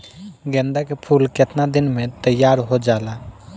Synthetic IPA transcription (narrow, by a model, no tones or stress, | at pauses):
ɡɛ̃ːnd̪akepʰuːlkɪt̪nad̪ɪnmẽt̪əjːaːɾɦod͡ʒaːlaː